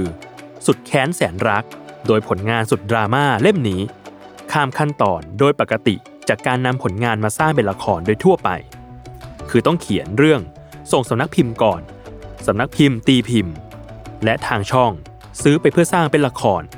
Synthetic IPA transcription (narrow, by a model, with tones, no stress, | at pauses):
ɯː˧ | su˨˩t̪̚kʰɛː˦˥nsɛː˩˦nɾa˦˥k̚doː˧jpʰo˩˦nŋaː˧nsu˨˩t̪̚dɾaː˧maː˥˩le˥˩mniː˦˥ | kʰaː˧mkʰa˥˩nt̪ɔː˨˩ndoː˧jpa˨˩kːa˧t̪ḭ˨˩ | t͡ɕaː˨˩kːaː˧nːa˧mpʰo˩˦nŋaː˧nmaː˧saː˥˩ŋpe˧nla˧kʰɔː˧ndoː˧jt̪ʰu˥˩ɐpa̰˧j | kʰɯː˧t̪ɔ˥˩ŋkʰi˩˦ənɾɯ˥˩əŋ | so˨˩ŋsa˨˩˦mna˦˥k̚pʰi˧mkɔː˨˩n | sa˨˩˦mna˦˥k̚pʰi˧mt̪iː˧pʰi˧˩m | lɛ˦˥ʔt̪ʰaː˧ŋt͡ɕʰɔ˥˩ŋ | sɯː˦˥pa˧jpʰɯ˥˩ɐsaː˥˩ŋpe˧nla˧kʰɔː˧n